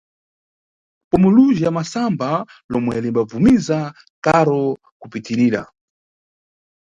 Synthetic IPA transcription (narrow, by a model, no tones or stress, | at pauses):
pɔmuluʒiamasambalɔmwɛlimbab͡vumiza | kaɾɔ | kupitiɾiːɾa̰